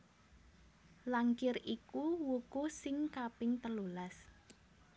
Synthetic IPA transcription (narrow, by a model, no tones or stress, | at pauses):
laŋkɪrikuwukusɪŋkapɪŋt̪əlulas